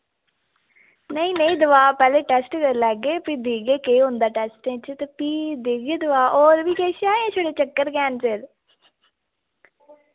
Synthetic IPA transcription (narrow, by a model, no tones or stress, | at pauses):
nəĩːnəĩːd̪əʋaːpɛːleːʈɛːsʈlɛːɡeːpiːd̪iːɡeːkeːɦʊ̃nd̪aːʈɛːsʈẽːt͡ʃt̪eːpiːd̪iːɡeːd̪ʊʋaːʔoːɾʋiːkeːʃaːẽːt͡ʃʰoːɽeːt͡ʃəkːəɾkɛːnseɾ